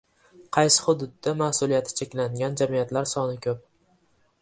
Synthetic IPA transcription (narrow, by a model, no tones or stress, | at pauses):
qʰɑjsɪ̥hʊd̪ʊd̪ːamahsʊlijat̪ʰɪ̥t͡ʃʰekʲlaŋɡʲand͡ʒamijat̪laɾsɒnɪkʰʲɵp̚